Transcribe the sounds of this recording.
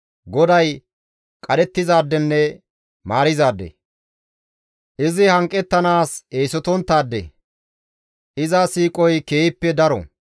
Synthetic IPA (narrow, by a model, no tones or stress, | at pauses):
ɡɔd̪ɐj | kʼɐd̪ɛt̪ːɪzaːd̪ːɛnːɛ | maːɾɪzaːd̪ːɛ̰ | ʔɪzɪhɐŋkʼːɛt̪ːɐnaːseːsɔt̪ɔnt̪ːaːd̪ːɛ̰ | ʔɪzasiːkʼɔjke̞ːɪpːɛd̪ɐɾɔ̰